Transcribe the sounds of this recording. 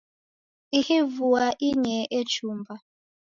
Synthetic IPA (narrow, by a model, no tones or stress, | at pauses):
ihivuaʔiɲɛʔet͡ʃumba